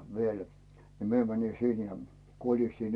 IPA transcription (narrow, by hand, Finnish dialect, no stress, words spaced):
ʋiel ni mie mæni sin jɑ kolistin